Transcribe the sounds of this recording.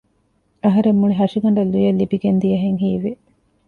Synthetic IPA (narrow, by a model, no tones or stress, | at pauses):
ɐɦɐɾemːuɭiɦɐʂiɡɐɳɖɐlːujɐlːibiɡend̪ijɐɦeŋɦiːʋe